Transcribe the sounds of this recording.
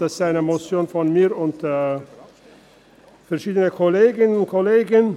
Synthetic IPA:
asaɪnəmot͡sjoːnfɔnmiːɐʊntː | fɛɐʁʃiːdənəkʰɔleːɡɪnənʊnkʰoleːɡən

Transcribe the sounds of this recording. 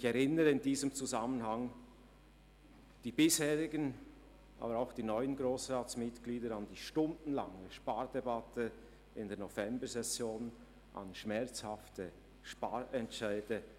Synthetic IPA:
çɛɾɪnəɾəɪndiːzəmt͡suzamənhaŋ | d̥iːbɪshɛːʁɪɡən | ʔa̰ːbəɾaʊxd̥iːnɔʏənɡʁoːsʁaːtsmɪtɡ̥liːdəɾɑndiːʃtʊndn̩la̰ŋəʃpaːɾd̥ɛbatʰə | ɪndɛːɐnɔvɛmbəzɛsjoːn | ʔa̰nʃmɛɐt͡shaftə | ʃpaːɾɛntʃaɪd̥ə

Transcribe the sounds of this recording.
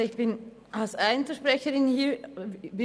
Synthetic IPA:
ɪçb̥ɪn | alsaɪnfəʃpʁ̥ɛçəʁɪnhiːɐvɪ

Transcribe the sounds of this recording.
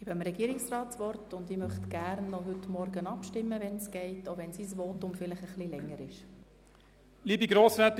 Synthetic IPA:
ibəmɾɛɡ̥iːɾɪksrɑːtt͡sʋɔrtʊndɪmœχtɡ̥æɾnːɔɦʏtmɔɾɡənɑpʃtɪmːəʋɛnsɡ̥ɛɪtoʊʋɛnsisʋoːtʊmfɪlɪχəχlilɛŋːəɾɪʃ | liːbiɡɾoːsvɛt̪

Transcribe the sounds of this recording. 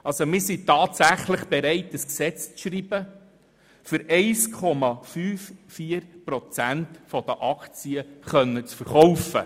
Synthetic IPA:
ɑlsomɪɾsitɑːtsæχləχb̥eɾɛɪtəsksɛt͡st͡sʃɾiːb̥ə | fʏɾɛɪskʰɔmɑfyːffiːəɾpɾɔt͡sæntfɔd̪əʔɑkt͡siəχœnːət͡sfəɾχɔwfə̰

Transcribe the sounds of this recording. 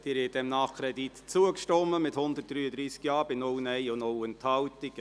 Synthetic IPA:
d̥ɪːɾɛdɛmnɑχkʰɾɛdit̪t͡suəkʃtɔmːəmɪthʊndət̚d̥ɾyːəd̪ɾiːskjɑːb̥ɪnownɛjʊnowɛnthɑwtiɡ̥

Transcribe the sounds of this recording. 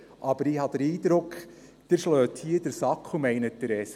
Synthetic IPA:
ʔɑbəɾihɑd̥̪əɾiːdɾʊk | d̥əɾʃløːthiədəɾsɑkχʊmɛɪnət̚dəɾɛs

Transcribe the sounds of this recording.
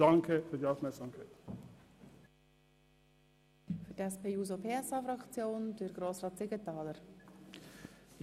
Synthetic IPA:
ɑŋkʰəfyːd̪iːaʊfmɛksɑmkʰaɪt̪ | fʏɾdɛspʰeːjuːzopʰeːɛsɑːfɾɑkt͡sjoːnd̥əɾɡ̥ɾoːsrɑːt̪sɪɡətɑːləɾ

